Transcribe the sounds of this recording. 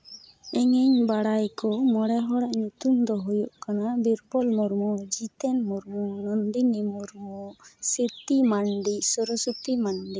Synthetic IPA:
ɛŋɛɲbaɽajkɔmɔɽɛɦɔɽaʔɲut̪umd̪ɔɦujɔʔkanabiɾpɔlmɔɾmɔd͡ʒit̪ɛnmɔɾmɔnɔnd̪inimuɾmɔsiɾt̪imanɖisɔɾɔsɔt̪imanɖi

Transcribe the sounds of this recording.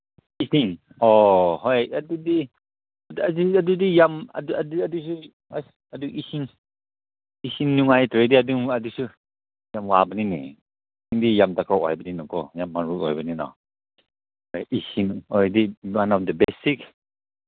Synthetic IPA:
isiŋ | ɔɦɔjadudi | daziadudijama̰duaduadusu | aduʔisiŋ | isiŋnuŋajtɾediaduŋadusu | jamwabəninḭ | iŋdijamtakʰawɔ̰jbəninɔkʰɔjamːaɾuɔ̰jbəninɔ̰ | hɔjʔisinɔediwanɔfdəbesik

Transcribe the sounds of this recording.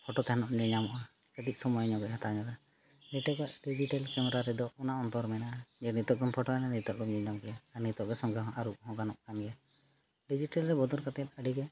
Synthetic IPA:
pʰɔʈɔt̪aɦanɔʔɲɛɲamɔʔa | kəd̪ic̚ˀsɔmɔjɔɲɔɡɛɦat̪aɲɔɡ̪a | nɛʈɔɡaʔɖid͡ʒiʈalkɛmɛɾaɾɛd̪ɔunaʔɔnt̪ɔɾmɛnaʔad͡ʒɛnit̪ɔʔ̚ɡɔmpʰɔʈɔmɛnanit̪ɔʔ̚ɡɔmɲɛɲamkɛjaanit̪ɔʔɡɛsɔŋɡɛɦʔaɾuʔ̚hɔ̃ɡanɔʔkanɡɛja | ɖid͡ʒiʈalɾɛbɔd̪ɔɾkat̪aɛt̪̚əɖiɡɛ

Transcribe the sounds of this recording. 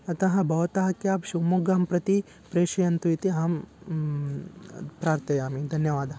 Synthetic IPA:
ɐt̪ɐɦɐ̃bʱɐʋɐt̪aːɦɐkjaːpʃumuɡaːmpɾɐt̪i | pɾeːʃɐjɐnt̪uit̪iaːm | pɾaːɾt̪ɐjaːmid̪ʱɐnjɐʋaːd̪ʱɐɦɐ

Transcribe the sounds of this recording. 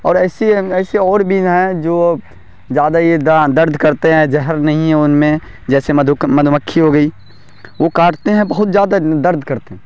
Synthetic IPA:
ɔːɾɛːseɛːseɔːɾbʱiɦɛ̃d͡ʒoː | d͡ʒjaːd̪aɦid̪d̪ɐɾd̪ʱkɐɾt̪eɦɛ̃d͡ʒɛɦəɾnɐɦĩɦɛ̃ʊnmẽ | d͡ʒɛːsed̪ʱmɐd̪ʱməkʰːiɦoɡɐiː | ʋokaːʈt̪eɦɛ̃bɐɦʊt̪zjaːd̪ad̪ɐɾd̪ʱkɐɾt̪eɦɛ̃

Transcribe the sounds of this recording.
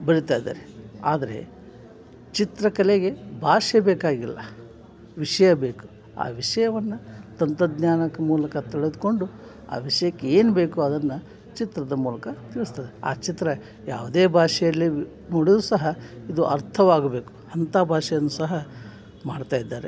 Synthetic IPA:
bɐɾit̪aːjd̪a̰ːɾeaːd̪ɐɾe̞̰ | t͡ʃit̪ɾɐkɐleɡe̞bʱaːʂɛbeːkaːɡilːɐ̰ | ʋiʂɐjɐbe̞ːku̥ | a̰ːʋiʂɐjɐʋɐnːɐt̪ɐnt̪ɐd̪naːnɐkːɐmuːlɐkɐt̪iɭed̪uko̞ɳɖu | a̰ːʋiʂɐjɐkːeeːnube̞ːkuɐd̪ɐnːɐ | t͡ʃit̪ɾɐd̪ɐmuːlɐkɐt̪iːɭust̪ɐd̪ea̰ːt͡ʃit̪ɾɐ | ja̰ːʋud̪eːbʱaːʂɛjɐlːi | noːɽid̪usɐɦɐid̪uʔɐɾt̪ʰɐʋaːɡɐbe̞ːku̥hɐnt̪aːbʱaːʂɛjɐnːusɐɦɐ | maːɽt̪aːjid̪ːaːɾḛ

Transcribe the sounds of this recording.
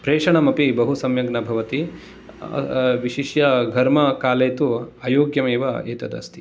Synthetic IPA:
pɾeːʂɐɳɐmɐpibɐɦusɐmjɐɡnɐbʱɐʋɐt̪ḭ | ʋiʃiʃjɐɡʱɐɾmɐkaːlɐjt̪uaːjoːɡjɐmeːʋɐeːt̪ɐd̪ɐ̰st̪i̥

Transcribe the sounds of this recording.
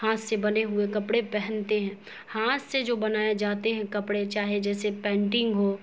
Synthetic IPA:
haːssebɐneɦʊekɐpɽepɛɦɛnt̪eɦɛ̃ː | haːssed͡ʒoːbɐnaːed͡ʒaːt̪eɦɛ̃kɐpɽet͡ʃaːɦied͡ʒɛːsepɛ̃ːɳʈɪ̃ŋɡɦoː

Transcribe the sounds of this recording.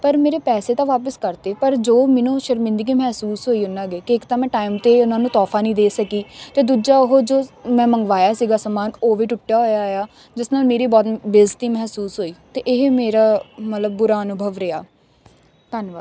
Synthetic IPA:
pəɾmeːɾeːpɛːseːt̪ãːʋaːpəskəɾt̪eːpəɾd͡ʒoːmɪnũːʃəɾmɪ̃nd̪iɡiːmɛːsuːsɦoːiːʊnãːɡeːkɪɪkt̪ãːmɛ̃ːʈaːimt̪eːʊnãːnũːt̪ɔːfʰaːnĩːd̪eːsəkiːt̪eːd̪uːd͡ʒaːʊɦod͡ʒoːmɛ̃ːməŋɡʋaːjaːsiːɡaːsəmaːnoːʋiːʈʊʈːjaːɦoːjaːjaː | d͡ʒɪsnaːlmeːɾiːbɔːt̪beːzʈiːmɛːsuːsɦoːiːt̪eːʔɪɦmeːɾaːmət̪ləbːʊɾaːənʊbʱəʋɾɪa̰ː | t̪ənʋaː

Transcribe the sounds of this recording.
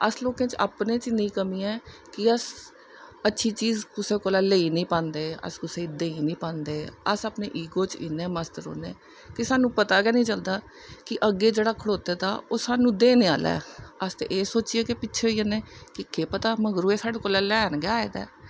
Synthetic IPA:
əsloːkẽːt͡ʃa̰ːpnẽːt͡ʃnĩːkəmĩːɛːkɪəs | ətːʃʰiːt͡ʃiːzkʊseːkoːlɛːleiːnĩːpãːnd̪eːə̰skʊseːd̪eːiːnĩːpãːnd̪eːəsaːpneːʔiːɡoːt͡ʃḭːnɛ̃ːməst̪əɾo̰ːnḛː | kɪsaːnũːpət̪aːkɛːnĩːt͡ʃəld̪aː | kɪʔəɡːeːd͡ʒeːɽaːkʰəɽoːt̪eːt̪a̰ːoːsaːnũːd̪eːneːa̰ːlɛ̰ːəst̪ḛʔeːsoːt͡ʃieːkɪpɪtːʃʰeoiːənẽːkɪkeːpət̪aːməɡɾuːeːsaːɽeːkoːlɛːlɛːnɡaːḛːd̪ɛ̰ː

